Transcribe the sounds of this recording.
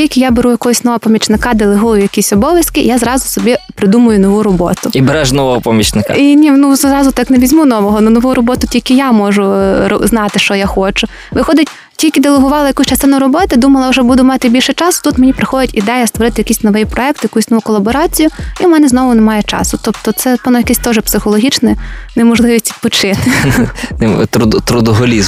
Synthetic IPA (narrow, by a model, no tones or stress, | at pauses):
ilʲkʲɪjabeɾujɐkɔɦɔsʲnɔʋɔɔpɐmʲit͡ʃnɪkɑd̪elˠeɦujʊjɐkʲisʲɔbɔʋʲjɐskɪjazɾɑzʊsɔbʲipɾɪd̪umʊjʊnɔʋuɾɔbɔ̰t̪ʊibeɾɛʃnɔʋɔɦɔpɔmʲit͡ʃnɪkinʲinuzɾɑzʊt̪ɑkneʋʲizʲmunɔʋɔɦɔnɐnɔʋuɾɔbɔt̪ʊtʲilʲkɪjamɔʒʊɔ̰znɑt̪ɪʃt͡ʃɔjaxɔt͡ʃʊ | ʋɪxɔd̪ʲɪtʲ | tʲilʲkʲɪd̪elˠeɦʊʋɑlˠɐjɐkusʲt͡ʃɐst̪ɪnʊɾɔbɔt̪ɪd̪umɐlˠɐwʒɛbud̪ʊmɑt̪ɪbʲilʲʃɛt͡ʃɑsʊ̥t̪ut̪menʲipɾɪxɔd̪ʲɪtʲid̪ɛjɐst̪ʋɔɾɪt̪ɪjɐkisʲnɔʋɛjpɾɔɛk̚t̪jɐkusʲnɔʋukɔlˠɐbɔɾɑt͡sʲijʊimɛnɛznɔʋʊnɛmɑjɛt͡ʃɑ̰sʊt̪ɔpt̪ɔt̪sɛpɔnɐjɐkɪsʲt̪ɔʒɛpsɪxɔlˠɔɦʲit͡ʃnɪnemɔʒlˠɪʋʲisʲi̥pɔt͡ʃɪt̪ɪnt̪ɾʊd̪t̪ɾʊd̪ɔɦɔlʲiz